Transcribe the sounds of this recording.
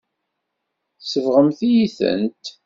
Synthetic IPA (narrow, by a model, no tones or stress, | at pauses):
θsəvʁəmθijiθə̰nt̪